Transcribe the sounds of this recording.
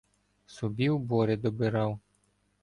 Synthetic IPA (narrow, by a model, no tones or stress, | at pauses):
sɔbʲiwbɔɾɪd̪ɔbɪɾɑw